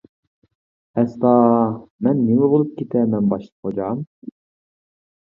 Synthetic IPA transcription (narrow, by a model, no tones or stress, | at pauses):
ɛst̪ɑːmɛnːiŋɛbolˠup̚kʲʰet̪ʰɛmɛnbɑʃlˠə̥pχod͡ʒɑm